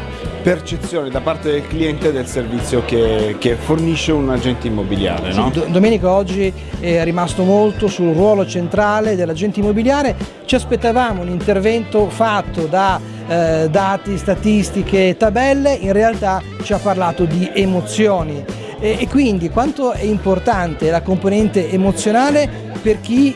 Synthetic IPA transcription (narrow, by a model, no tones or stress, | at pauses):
pert͡ʃet̪sːjoːnid̪apart̪ed̪elkliɛnt̪ed̪elservit̪sːjokek̟eforniʃːeunad͡ʒɛnt̪eimːobilja̰ːɾḛɔd̪d̪omeːnikaɔd͡ʒːi | ɛɛrimast̪omolt̪osulrwɔːlot͡ʃent̪ɾaːled̪elːad͡ʒɛnt̪eimːobiljaːɾe | t͡ʃiaspet̪ːavaːmounint̪ervɛnt̪ofat̪ːod̪a | d̪aːt̪ist̪at̪ist̪ikeːt̪ːabɛlːeʔinrealt̪a | t͡ʃiapːarlaːt̪od̪iʔemot̪sːjoːniː | kːwind̪ikwant̪oɛimport̪ant̪elakomponɛnt̪eːmot̪sːjonaːle | perk̟i